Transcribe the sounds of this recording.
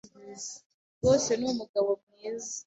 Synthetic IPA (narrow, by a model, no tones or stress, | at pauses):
woːse̞numuɡaβo̞mŋeːza